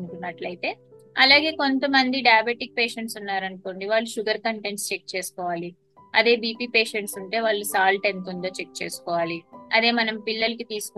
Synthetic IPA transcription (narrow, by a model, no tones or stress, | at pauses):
uʈunːɐʈlɐjt̪e̞ː | ɐlaːɡe̞ːko̞nt̪ɐmɐnd̪iɖɐaːbeʈik̚pe̞ːʃeɳʈsunːaːɾɐnukoːɳɖiʋaːɭːuʃuɡɐɾkɐɳʈenst͡ʃek̚t͡ʃeːsu̥kɔːʋaːli | ɐd̪eːbiːpiːpe̞ːʃeɳʈsuɳʈe̞ːʋaːɭːusaːlʈe̞nt̪̬und̪oːt͡ʃek̚t͡ʃe̞ːsu̥kɔːʋaːliɐd̪e̞ːmɐnɐmpilːɐlɐkit̪iːsu̥k